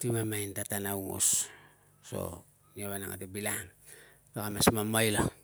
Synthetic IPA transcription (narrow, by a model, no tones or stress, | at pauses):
timamajntatanawŋo̰s | so̰ | niaβana̰ŋa̰tibilaŋ | tokamasmamajlo